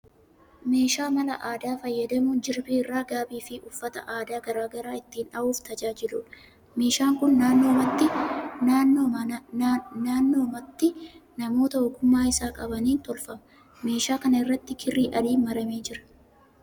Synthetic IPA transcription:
me̞ːʃaːmɐlɐ̰ʔaːd̪aːfɐjːɐd̪ɐmʊnd͡ʒɪɾbiːɪrːaːɡaːbiːfɪʔʊfːɐt̪ɐ̰ʔaːd̪aːɡɐɾaːɡɐɾaːɪt̪ːiːnᶑɐʔuːft̪ɐd͡ʒaːd͡ʒɪluːᶑɐ | me̞ːʃaːŋkʊnːaːnːo̞ːmɐt̪ːɪnaːnːoː | naːnːo̞ːmɐt̪ːɪnɐmo̞ːt̪ɐɔkʊmːaːɪsaːkʼɐbɐniːnt̪ɔlfɐmɐ̥ | me̞ːʃaːkɐnɐɪrːɐt̪ːɪkʰɪrːiːʔɐliːmɐɾɐmeːd͡ʒɪɾɐ̥

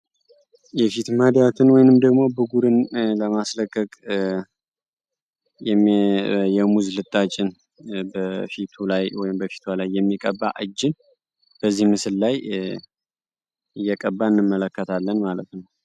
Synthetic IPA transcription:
jɛfit̪məhd̪ijat̪ʰɨnwɔjnɨmd̪əɡmo̞bɨɡuɾɨnləmasləkʼːəkʼ | jɛ | jɛmuzlɨt̪ʼːat͡ʃʼɪn | bəfit̪ʰulajwɔjɪmbəfi̥t̪ʰwalajːɛmːikʼəbːaʔɨd͡ʒːɪn | b̥əzːihmɨsɨlːaj | ɨjːɛkʼəbːaɨnːɨmːələkːət̪ʰalːənmalət̪nəw

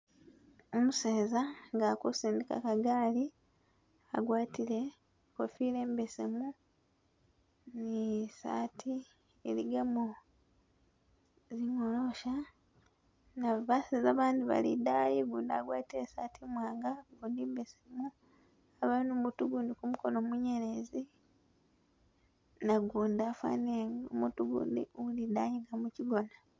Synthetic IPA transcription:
omuseːzaŋɡakosiːndika̰kaɡaːli | a̰ɡwaːtile̞ | kofiːle̞ːmbesemu | nisa̰ːtʰi | eliɡamo | ziŋoloʃa | naβasezaːβaːndiβa̰lidajiɡuːndaɡwaːtiɾesatʰimwaːŋɡaɡuːndimbesemu | aβainomutuɡuːndikumuko̞nomuɲeɾezi | naɡuːndafa̰neomutuɡṵːndḭolidajiːŋɡamuciɡo̞na

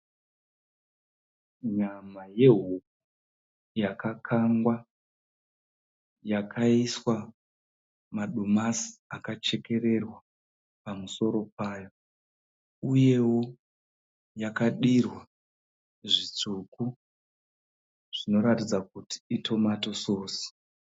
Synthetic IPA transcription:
ɲamaje̞ɦuk̚u | jakakʰaŋɡwa | jakʰaiswa | maɗumasi̥akat͡ʃe̞ke̞ɾe̞rwa | pamuso̞ɾo̞paːjo̞ | uje̞wo̞ | jakaɗirwa | ʐit͡ʂuku | ʐ̥ino̞ɾatid͡zakuti̥itʰo̞mato̞soːsi̥

